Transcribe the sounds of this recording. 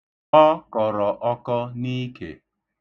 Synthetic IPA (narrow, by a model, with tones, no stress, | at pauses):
ɔ˦kɔ˨ɾɔ˨ʔɔ˦kɔ˦ni˦kḛ˨